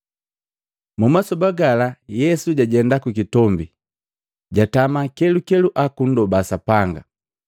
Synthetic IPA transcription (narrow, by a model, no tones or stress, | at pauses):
mumasɔbaɡalajɛsuɟaɟɛndakukitɔmbi | ɟatamakɛlukɛluʔakun̩dɔbasapaŋɡa̰